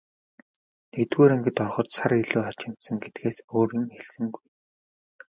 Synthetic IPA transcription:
nekt̪ɡuːɾeŋɡɘ̆t̪ɔrχɞ̆t̪saɾeɮuːat͡ɕɪ̆m̥t̪sə̆ŋɡet̪ɡeːsoːɾiːŋxeɮsɘ̆ŋɡuj

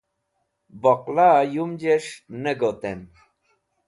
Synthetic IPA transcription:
bɔqlajumd͡ʑeʂneɡot̪em

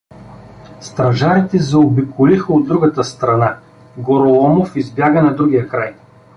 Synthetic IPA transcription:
st̪ɾɐʒaɾit̪ɛzɛobikolixəod̪ːɾuɡɐt̪əst̪ɾɐna | ɡoɾolˠɔmofizbjaɡənɐd̪ɾuɡʲijəkɾaj

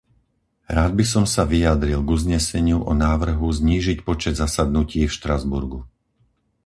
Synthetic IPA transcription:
ɾaːd̪̚bisɔmsaʋijad̪ɾilˠɡuzɲɛsɛɲɪuʔɔnaːʋr̩ɦuzɲiːʒicpɔt͡ʃɛd̪zasad̪̚nuciːfʃt̪ɾazbṵɾɡu

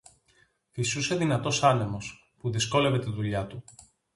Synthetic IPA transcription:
isuse̞ðinɐt̪o̞sɐne̞mo̞s | puðisko̞le̞ve̞t̪iðuʎɐt̪u

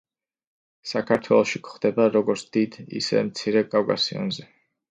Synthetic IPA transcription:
sakʰaɾt̪ʰwɛlˠɔʃikχd̪ɛbaɾɔɡɔɾt̪sʰd̪̥id̪ḭsɛ̰mt̪sʰiɾɛkʼavkʼa̰siɔ̰nzɛ

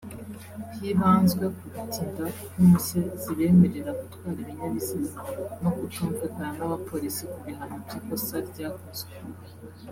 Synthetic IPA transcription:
hiβaːnzɡwe̞kuɡutindakuːse̞z̥iβe̞ːme̞ɾe̞ɾaβatɡwaːɾiβiɲaβiziano̞kutuːɱvekaanaβapʰo̞ɾisikuβiɦanobɟikosaɾɟaːkozwe

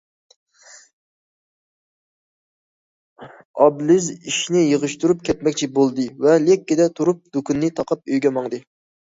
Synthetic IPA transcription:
ɑblɪziʃnɪjəʁɨʃt̪uɾup̚kʲʰɛt̪mɛkʲt͡ʃʰibolˠd̪ɨvɛlɛkʲːɪd̪ɛt̪ʰuɾup̚d̪ukʰunːɨt̪ʰɑqʰɑp̚øjɡʲɛmɑŋd̪ɨ

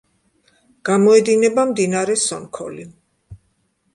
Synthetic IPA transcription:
ɡ̥amɔɛd̪inɛbamd̪inaɾɛsɔnkʰɔ̰li

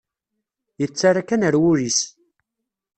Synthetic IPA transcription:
jət͡sːaɾakænəɾwʊɾis

